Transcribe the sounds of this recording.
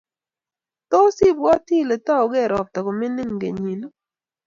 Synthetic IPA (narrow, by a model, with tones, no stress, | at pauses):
t̪ɔ˦si˦bwɔ˦ti˦˨le˨ta˦o˨ɡɛ˦˨ɾɔ˨k̚tɔ˨ko˨mɪ˦nɪ˦ŋ˨ɡḛ˨ɲi˨no˦